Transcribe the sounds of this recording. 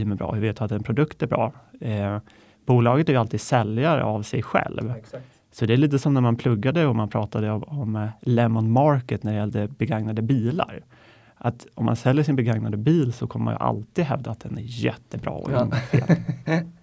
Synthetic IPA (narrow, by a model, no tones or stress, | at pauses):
əmɛbɾɑ̰ːveːt̪jat̪ːɛnpʰɾʊd̪ɵkt̪æbɾɑ̰ː | b̥uːlɑːɡət̪æɾalt̪iːd̪sɛljaɾə̰avsɛjɧɛ̰lv | sɔd̪ɛæɭiːt̪̬əsɔmnæɾmanpʰlɵɡːad̪əɔmanpʰɾɑːt̪ad̪əɔɔmlɛmɔnmɑɾkət̪næɾɛɪjɛld̪əbɛɡaŋnad̪əbiːla̰ɾ | ʔat̪ɔmːa̰nsɛljəʂɪnbɛɡaŋnad̪əbiːlsɔkʰɔməma̰njɵ̰ʔa̰lt̪iːd̪ɦɛvd̪aːt̪̚d̪ɛnæɾjɛ̰t̪ːəbɾɑ̰ːɔ̰nfeːl